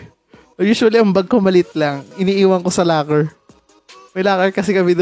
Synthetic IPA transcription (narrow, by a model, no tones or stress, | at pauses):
juːswɐliɐŋbɐɡ̚komɐlɪt̪̚lɐŋɪniːʔiːwɐŋkosɐlaːkɛɹ | mɐjlaːkɛɹkɐsɛkɐbɪd̪